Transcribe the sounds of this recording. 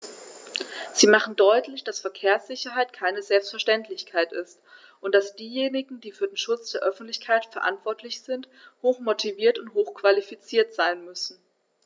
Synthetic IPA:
z̥iːmaχn̩dɔʏtlɪçd̥asfɛɐkʰeːɐsz̥ɪçɐɦaɪtkʰaɪnəzɛlpstfɛɐʃtɛntlɪçkʰaɪtɪst | ʔʊntd̥asd̥iːjeːnɪɡŋ̩d̥iːfyːɐdeːnʃʊt͡sd̥eːɐʔœfn̩tlɪçkʰaɪtfɛɐʔa̰ntv̥ɔɐtʰlɪçz̥ɪnt | hoːxmotʰiviːɐtʊnthoːxkv̥alifit͡siːɐtz̥aɪnmʏsn̩

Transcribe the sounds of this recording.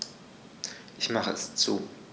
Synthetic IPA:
ʔɪçmaχə̰ɛst͡suː

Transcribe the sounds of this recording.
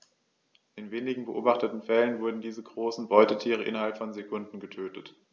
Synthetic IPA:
ʔɪnveːnɪɡŋ̩bəʔoːbaχtətn̩fɛlənvʊɐdn̩diːzəɡʁoːsn̩bɔʏtətʰiːʁ̞əʔɪ̰nɐɦalpfɔnzekʰʊndn̩ɡətʰøːtət

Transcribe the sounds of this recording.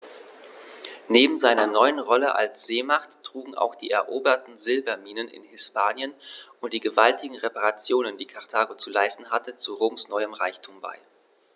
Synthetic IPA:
neːbm̩zaɪnɐnɔʏənʁɔləʔa̰lsz̥eːmaχtːʁ̥uːɡŋ̩ʔa̰ʊxd̥iːʔɛɐʔoːbɐtn̩zɪlbɐmiːnənɪ̰nhɪspʰaːnjənʊnt̚d̥iːɡəvaltɪɡŋ̩ʁepaʁat͡sjoːnəndiːkʰaʁtʰaːɡot͡sulaɪstn̩ɦatət͡suʁoːmsnɔʏəmʁaɪçtʰuːmba̰ɪ

